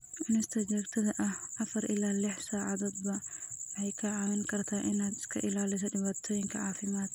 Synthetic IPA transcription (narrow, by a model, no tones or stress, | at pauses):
ʔʊnɪst̪ʰɐd͡ʒɛːɡt̪ʰɐðɐʔɐhʔɐfɐɾʔɪlaːlɪħsaːʕa̰ðoːd̪bɐwɐħɛjkʰɐʕawɪŋkʰɐrt̪ʰaːʔɪnaːd̪ɪ̥skʰɐ̰ʔɪlaːlɪs̬ɐdɪβaːt̪ʰɔːjɪŋkʰɐʕaːfɪmaːd̪